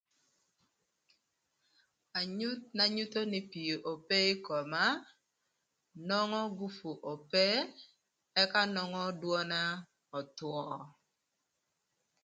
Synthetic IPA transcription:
a˨ɲu˦t̚na˨ɲu˦to˦nɪ˨pi˨o˨ʔo˨pe˦ɪ˦kɔ˨ma˦ | nɔ˦ŋɔ˦ɡu˦fu˨ʔo˨pe˦ | ɛ˦ka˦nɔ˦ŋɔ˦dwɔ˦na˦ | ɔ˨twɔ˦˨

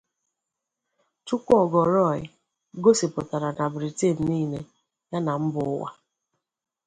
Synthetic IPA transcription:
tu˦kʷɔ˦˨ɡɔ˨ɾɔ˦˨ɪ̰˨ | ɡo˦sɪ˨pʊ˨ta˨ɾa˨na˨bɾi˨te˦˨n̩˨niː˦˨ne˦ | ja˦na˨m̩˦bʊ˨ʊ˦wa̰˦

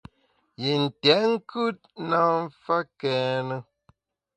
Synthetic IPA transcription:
ji˨n̩˨tɛ˨˦ŋ̩˦kʰʉ˦t̚na˦m̩˦fa˦kɛː˨˦nə˦

